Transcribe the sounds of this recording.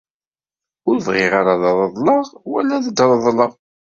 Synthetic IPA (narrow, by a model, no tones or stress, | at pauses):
ʊɾvʁɪʁaɾaðɑðˤəðˤlɑʁwæ̰lːæðəd̪ɾˤəðˤləʁ